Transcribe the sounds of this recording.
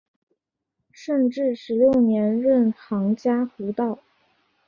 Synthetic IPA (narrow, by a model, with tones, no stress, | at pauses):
ʂə˥˧nʈ͡ʂɻ̩˥˩ʂɻ̩˧˥ljo˥˩ʊnjɛ˧˥nɻə˥˩nxɑ˧˥ŋt͡ɕja˥xu˧˥t̪ɑ˥˩ʊ